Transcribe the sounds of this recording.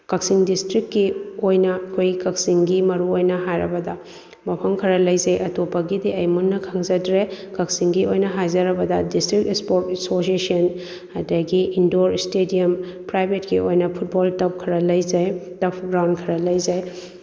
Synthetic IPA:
kɐksiŋdistɾikːiojnɐkʰojikɐk̚siŋɡimɐɾuojnɐɦajɾɐbɐdɐ | mɐpʰɐmkʰɐɾɐlɐjzɐjʔɐtopːɐɡidiɐjmunːɐkʰɐŋzɐdɾekɐksiŋɡiojnɐɦajzɐɾɐbɐdɐdistɾik̚espoɾtɐsosiesiɐn | hɐdɐɡiindoɾstediɐm | pɾajbʱetkiojnɐpʰut̚boltɐp̚kʰɐɾɐlɐjzɐjtɐpʰɡɾawnkʰɐɾɐlɐjzɐj

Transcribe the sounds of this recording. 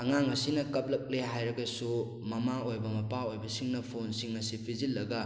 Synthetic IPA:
ɐŋaŋɐsinɐkɐp̚lɐk̚leɦajɾɐɡɐsu | mɐmaojbɐmɐpaojbɐsiŋnɐpʰonsiŋnɐsipʰizilːɐɡɐ

